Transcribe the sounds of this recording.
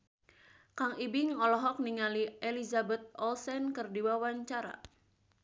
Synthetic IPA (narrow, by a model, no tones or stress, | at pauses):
kaŋibiŋɔlɔɦɔk̚niŋaliʔelizabɛt̪̚ɔlsɛnkɨrdiwawaɲt͡ʃaɾa̰